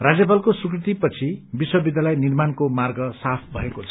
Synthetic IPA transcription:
rad͡zjʌp̬alkosukrit̪ipʌt͡sʰibiswʌbid̪ʱalajnirmankomarɡʌsapʰbʱʌekot͡sʰʌ̥

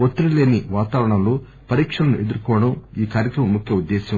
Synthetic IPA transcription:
ot̪ːɐɽile̞ːniʋaːt̪aːʋɾɐɳɐmloː | pɐɾiːkʂɐlɐnuʔe̞d̪uɾkɔːʋɐɽɐmiːkaːɾjɐkɾɐmɐmːukʰjɐud̪ːɛːsɐ

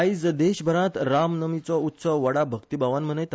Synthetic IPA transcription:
id͡zd̪eɕbʱəɾãt̪ɾamnəmit͡sɔut̪sɔʋʋəɽabʱəkt̪ibaʋanm̤ənəjt̪

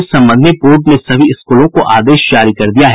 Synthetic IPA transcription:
sɐ̃mbə̃nd̪ʱnepoːɾɖnẽsɐbʱiɪskuːlõkoʔaːd̪eːʃd͡ʒaːɾikɐɾd̪ijaɦɛ

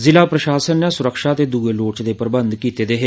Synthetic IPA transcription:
zɪlaːpɾəʃaːsənːɛ̃ːsʊɾəkʃaːt̪eːd̪uːeːloːt͡ʃd̪eːpəɾɪbə̃nd̪kiːt̪eːd̪eːɦe

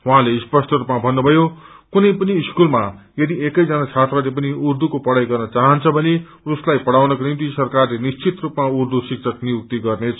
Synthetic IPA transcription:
wuɦãlespʌsʈʰʌɾupmabʱʌnːubʱʌjokunʌjpʌniːskulma | jʌd̪iekʌjd͡zʌnat͡sʰat̪rʌlep̬ʌniurd̪ukopʌɽajɡʌrnʌt͡saɦʌnt͡sʰʌbʱʌne | uslajpʌɽawnʌknimt̪isʌrkarlenist͡sit̪rupmaurd̪usik̚t͡sʰʌknijuk̚t̪iɡʌrnet͡sʰʌ

